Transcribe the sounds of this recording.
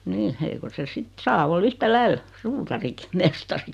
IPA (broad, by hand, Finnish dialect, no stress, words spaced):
niː eiko se sit sɑː ol yhtælæil suːtɑriki mestɑri